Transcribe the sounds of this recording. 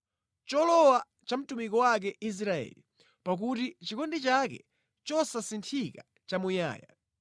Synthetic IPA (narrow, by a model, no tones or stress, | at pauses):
t͡ʃɔlɔwa | t͡ʃam̩tumikɔwak̬ɛʔis̬ɾaɛ̰li | pak̬utit͡ʃikɔndit͡ʃak̬ɛ̰ | t͡ʃɔsasintʰika | t͡ʃamuja̰ːja